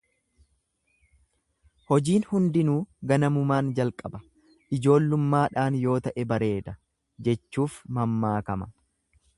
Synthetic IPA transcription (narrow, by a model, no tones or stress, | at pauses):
hɔd͡ʒiːnhʊnd̪ɪnuːɡɐnɐmʊmaːnd͡ʒɐlkʼɐbɐ | ʔɪd͡ʒo̞ːlːʊmːaːᶑaːnjo̞ːt̪ɐʔɛbɐɾe̞ːd̪ɐ | d͡ʒɛt͡ʃːuːfmɐmːaːkɐmɐ